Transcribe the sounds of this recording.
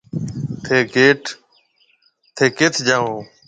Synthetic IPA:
t̪ʰeːkeːʈ | t̪ʰeːket̪ʰd͡ʒaːõː

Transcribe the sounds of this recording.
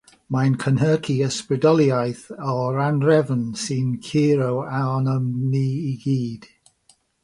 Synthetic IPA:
mankʰənɦəːkʰiəsprɪdɔlˠjajθɔɾanrɛvənsɪnkʰiːɾowaɔnəmniːiɡiːd̥

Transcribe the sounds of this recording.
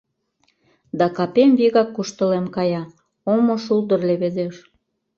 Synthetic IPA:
d̪ɑkɑpemviɣɑkːuʃt̪ə̆lemkɑjɑ | omoʃuld̪ərleβezeʃ

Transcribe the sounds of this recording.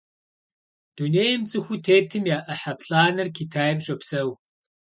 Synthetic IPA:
d̥uneːjmt͡sʼɨxʷutʰeːtʰɨmjaːʔɐħapɬaːnɨrkʰitʰaːjɛmʒʼɔpsɐw

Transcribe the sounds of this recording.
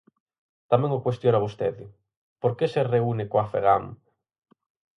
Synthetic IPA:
t̪amɛ̃ŋokwest̪jonaβust̪eðɪ | poɾkesereunekoafḛɣ̞a̰m

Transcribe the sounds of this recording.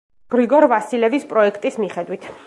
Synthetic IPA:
ɡ̥ɾiɡɔɾvasilɛvispʼɾɔɛkʰt̪ʼismiχɛd̪wit̪ʰ

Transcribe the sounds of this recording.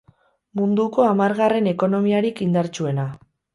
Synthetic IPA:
mund̪uko̞amaɾɣare̞ne̞ko̞no̞miaɾikind̪aɾt͡sue̞na

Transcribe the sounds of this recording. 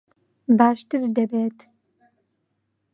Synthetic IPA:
baːʃt̪ʰɨɾd̪ɛbeːtʰ

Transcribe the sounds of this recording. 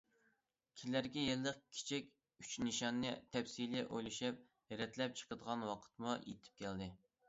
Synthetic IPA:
kʲʰilæɾɡʲɛjelːəq̚kʲʰi̥t͡ʃʰɛkʲ | yt͡ʃnɨʃɑnːɨt̪ʰɛwsilɛʔojluʃɛp̚ | ɾɛt̪ʰlɛp̚t͡ʃʰə̥qəd̪əʁɑnwɑqʰə̥t̪mujḛt̪ʰɪ̥p̚kʲʰæld̪ɪ

